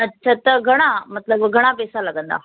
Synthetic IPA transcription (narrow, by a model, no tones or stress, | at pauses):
ətːɕʰat̪əɡʱəɽ̃amət̪ləbɡʱəɽ̃apesalaɡənd̪a̰